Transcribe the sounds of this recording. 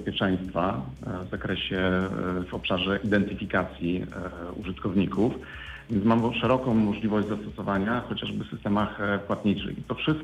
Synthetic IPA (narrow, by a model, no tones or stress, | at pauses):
spʲjɛt͡ʂɛ̃j̃st̪favzakɾɛɕɛvɔpʂaʐɛʔid̪ɛnt̪ɘfʲikat̪sʲjiṵʐɨt̪kɔvɲikuf | vʲjɛnt̪smamʂɛɾɔkɔ̃w̃mɔʐlʲivɔʑd͡ʑʲzast̪ɔsɔvaɲaxɔt͡ɕaʐbɘfsɘst̪ɛmaxpwat̪̚ɲit͡ʂɘ̰xit̪ɔfʂɘst̪̚